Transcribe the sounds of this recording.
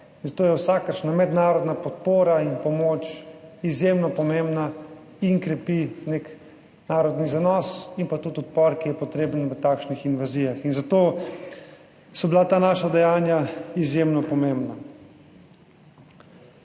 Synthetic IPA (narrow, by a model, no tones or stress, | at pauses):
inzat̪oːjɛwsakəɾʃnamɛd̪naːɾɔd̪napɔt̪poːɾainpɔmoːt͡ʃizjemnɔpɔmembna | iŋkɾɛpinek | naːɾɔd̪nizanɔːsinpat̪ut̪ɔt̪̚pɔɾkijɛpɔt̪ɾeːbənʋət̪aːkʃnixinʋaziːjaxinzat̪oː | sɔbilat̪aːnaːʃad̪ɛjaːnjaizjemnɔpɔmembna